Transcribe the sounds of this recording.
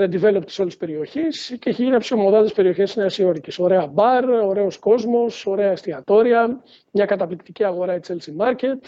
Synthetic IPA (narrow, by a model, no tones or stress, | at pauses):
ɐnd̪ive̞lo̞pt̪i̥so̞lispe̞ɾio̞çisceeçeʝiniɐpsiomo̞ðɐðespe̞ɾio̞çe̞sineɐsio̞ɾiceso̞ɾe̞ɐbɐɾo̞ɾe̞o̞sko̞zmo̞so̞ɾe̞ɐest̪iɐt̪o̞ɾiɐ | mɲɐkɐt̪ɐplikt̪iciɐɣo̞ɾɐit͡selsimɐɾce̞t̪